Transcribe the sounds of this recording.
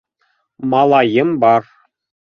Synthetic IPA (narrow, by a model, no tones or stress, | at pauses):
mɑlˠɑjɤ̆mbɑr